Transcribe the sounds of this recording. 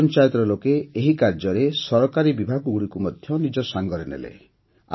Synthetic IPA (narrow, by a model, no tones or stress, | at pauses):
nt͡ʃajɔt̪ɾɔlokeːɦikaɾd͡ʒɔɾesɔɾɔkaɾibibʱaɡɔɡuɽikumɔd̪ʱjɔnid͡ʒɔsaŋɡɔɾenḛlḛ | a